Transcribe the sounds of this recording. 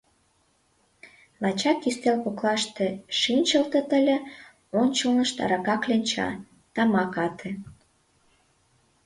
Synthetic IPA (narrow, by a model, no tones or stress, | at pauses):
lɑt͡ɕɑkist̪elpoklɑʃt̪ĕʃinʲt͡ɕəlt̪ə̆t̪əlʲĕ | onʲt͡ɕəlnəʃt̪ɑ̰ɾɑkɑklʲenʲt͡ɕɑ̰ | t̪ɑmɑkɑt̪ʰĕ